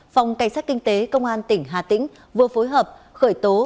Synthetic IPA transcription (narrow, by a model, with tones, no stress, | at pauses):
fa˨˩wŋ͡mka˧˩jŋ̟saː˦˥t̚ki˧ŋ̟t̪e˨˦kə˧wŋ͡mʔaː˧nt̪ï˧˩ŋ̟ɦaː˨˩t̪ḭ˧˥ŋ̟ | vɨ˨˩əfo˨˦jɦəː˨˩p̚xəː˧˩jt̪o˨˦